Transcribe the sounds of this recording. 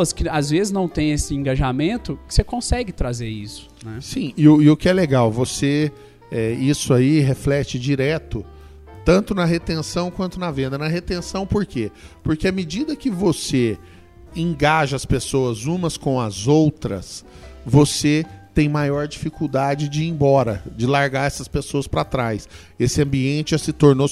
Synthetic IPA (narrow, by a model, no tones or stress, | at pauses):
ɐskɪazvezɪznɐ̃w̃t̪ẽj̃esɪẽɡaʒamẽnt̪ʊkɪ̥sekõsɛɡɪt̪ɾazeɾisʊ̥nɛsĩɪʊɪʊkɪɛleɡawvose | ɛisʊaiɦeflɛt͡ʃɪd͡ʒiɾɛt̪ʊ | t̪ɐ̃nt̪ʊnɐɦet̪ẽsɐ̃w̃kwɐ̃nt̪ʊnɐvẽnd̪ɐnɐɦet̪ẽsɐ̃w̃poɾkepoɾkeamed͡ʒid̪ɐkɪvose | ẽɡaʒɐɐspesoɐzũmɐskõw̃ɐzowt̪ɾɐ̰s | voset̪ẽj̃majɔɾd͡ʒifikuwd̪ad͡ʒɪd͡ʒɪẽj̃bɔɾɐ̰d͡ʒɪlaɾɡaɾɛsɐspesoɐspɾat̪ɾajs | esɪɐ̃mbiẽnt͡ʃɪʒasɪt̪oɾno